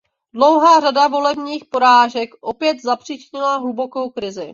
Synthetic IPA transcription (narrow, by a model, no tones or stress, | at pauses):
dlowɦaːradavo̞lɛbɲiːxpo̞ɾaːʒɛkʔo̞pjɛt̪zapr̝̥iːt͡ʃɲɪlaɦubo̞ko̞wkɾɪzɪ